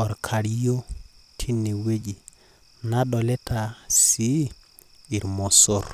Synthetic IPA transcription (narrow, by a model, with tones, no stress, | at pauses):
ɔ˨ɾkʰa˨ɾi˦jo˦tʰi˦ne˨we˦d͡ʒi˨ | na˦ɗɔ˨lɛ˦tʰa˨si˨˦ | i˨ɾmo˨so˦˨ɾ